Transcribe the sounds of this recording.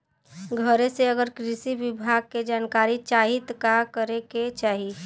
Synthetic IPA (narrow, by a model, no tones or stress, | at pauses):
ɡʱəɾeseəɡəɾkɾɪsiʋɪbʱaɡ̚ked͡ʒaːnkaɾit͡ʃaːɦit̪kakəɾeket͡ʃaːɦi